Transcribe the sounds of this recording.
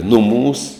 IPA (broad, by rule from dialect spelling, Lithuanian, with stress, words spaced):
ˈnʊˌmuːs